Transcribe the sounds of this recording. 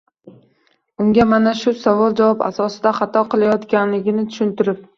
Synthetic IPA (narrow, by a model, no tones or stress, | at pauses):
ʊŋɡʲamanaʃʊsavɒlˠd͡ʒavɒpa̰sɒsɪd̪aχɑt̪ʰɒqʰɨlˠajɒt̪kʲanlɪɡʲɪnɪt̪ʰʊ̥ʃɪnt̪ɪɾɪp̚